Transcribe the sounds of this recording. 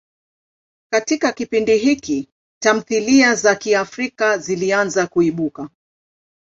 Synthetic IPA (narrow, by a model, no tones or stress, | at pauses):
katikakipindiɦiki | tam̩θiliazakiafɾikazilianzakuiɓuka